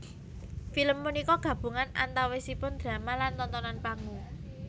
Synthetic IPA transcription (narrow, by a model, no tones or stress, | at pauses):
filəmːunikɔɡ̥ä̤b̥ṳŋana̰nt̪awesipʊnd̪̥ɾa̤malant̪ɔnt̪ɔnanpaŋu